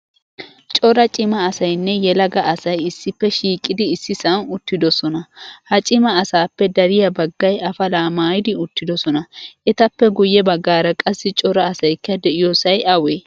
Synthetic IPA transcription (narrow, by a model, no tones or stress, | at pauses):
t͡ʃʼɔɾɐt͡ʃʼɪmɐːsɐjnːɛjɛlɐɡɐːsɐjɪsːɪpːɛʃiːkʼːɪd̪ɪɪsːɪsɐnʊt̪ːɪd̪ɔsɔnɐhɐt͡ʃʼɪmɐːsaːpːɛd̪ɐɾɪjɐbɐɡːɐjʔɐfɐlaːmaːjɪd̪ɪʊt̪ːɪd̪ɔsɔnɐʔɛt̪ɐpːɛɡʊjːɛbɐɡːaːɾɐkʼɐsːɪt͡ʃʼɔɾɐːsɐjkːɐd̪ɛʔɪjɔsɐjʔɐweː